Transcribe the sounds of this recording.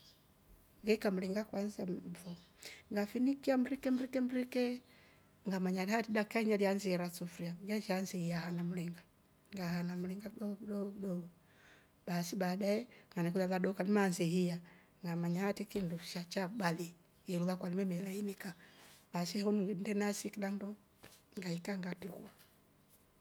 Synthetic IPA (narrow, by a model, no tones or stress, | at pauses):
ŋɡɛkamuliŋɡakwanzamvɔ | ŋɡafinikiamuɾikɛmɾikɛm̩ɾikɛ | ŋɡamaɲalihatidakaɲalianziɛɾasufɾiaŋɡaʃanzihijahanamuliŋɡa | ŋɡahanamuliŋɡaɔdɔdɔɡɔ | b̥asibadaɛŋɡanɛkulaðadɔkanimanzɛhija | ŋɡamaɲahatikinduʃat͡ʃabali | jɛluβakwalimɛmɛlainikabasihunuɡndɛnasikidandɔ | ŋɡaikaŋɡatikua